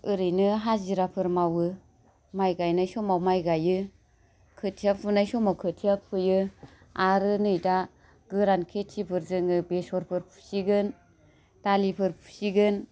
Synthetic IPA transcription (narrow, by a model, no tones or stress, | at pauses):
ɯɾɯjnɯɦaziɾapʰɯɾmawɯ | majɡajnajsɔmawmajɡajɯ | kʰɯtʰiapʰunajsɔmawkʰɯtʰiapʰɯjɯ | aɾɯnɯjda | ɡ̥ɯɾankʰetʰipʰɯɾzɯŋɯbesɔɾpʰɯɾpʰu̥siɡɯn | talipʰɯɾpʰu̥siɡɯn